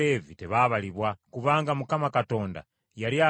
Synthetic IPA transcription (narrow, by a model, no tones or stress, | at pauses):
eviteβaβaliβwakuβaːŋɡamukamakato̞ːnda̰ | jaɾia